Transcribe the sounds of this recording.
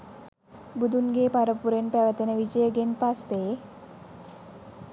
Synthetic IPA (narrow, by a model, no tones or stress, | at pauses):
bud̪unɡeːpaɾəpuɾenpæʋət̪ənəʋid͡ʒəjəɡenpasːe